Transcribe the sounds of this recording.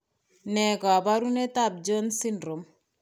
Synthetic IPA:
nɛ˨ɡɔ˨a˨ba˦ɾu˦ne˦tab̚d͡ʒo˦nsi˦ndɾo˨m

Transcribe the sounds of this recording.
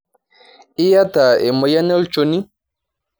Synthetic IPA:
i˦ja˦ta˨e˨ma˨ja˦ne˦lt͡ʃo˨˦ni˦

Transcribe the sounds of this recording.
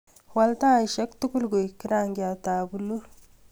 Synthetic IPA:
wa˦lta˦˨ʃa˦ktu˦ku˦lɡo˨ki˦ɾa˦ŋɡi˨a˨ta˨bu˨lu˦ɾ

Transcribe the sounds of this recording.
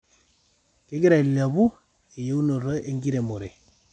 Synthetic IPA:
kɪ˦kɪ˦ɾa˨i˨la˨bu˦ | e˨je˦u˦no˨ɾɔ˦ʔe˦ŋɡi˦ɾe˨mo˨ɾe˨

